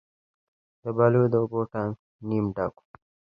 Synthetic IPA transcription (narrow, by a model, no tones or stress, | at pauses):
d̪̥əbalujd̪əoboʈan | nimɖaku̥